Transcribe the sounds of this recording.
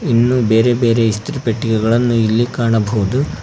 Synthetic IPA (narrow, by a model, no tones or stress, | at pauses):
inːube̞ːɾe̞be̞ːɾe̞ist̪ɾipeʈːikɛɡɐɭɐnːuilːikaːɳɐbʱoːd̪u